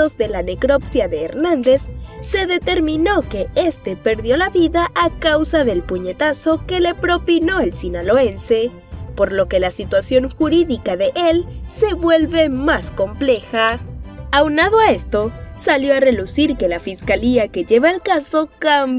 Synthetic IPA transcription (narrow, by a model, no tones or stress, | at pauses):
ozðe̞lane̞kɾo̞psjaðe̞ːɾnãnd̪e̞sːe̞ðe̞t̪e̞ɾmĩno̞ke̞e̞st̪e̞pe̞ɾðjo̞laβiðaʔakawsaðe̞lpuɲe̞t̪aso̞ke̞le̞pɾo̞pino̞elsinalo̞e̞nse̞ | po̞ɾlo̞ke̞lasit̪wasjo̞ŋxuɾiðikaðe̞ʔelse̞βwe̞lβe̞masko̞mple̞xaawnaðoae̞st̪o̞saljo̞are̞lusiɾke̞lafiskaliake̞ʝe̞βaelkaso̞kam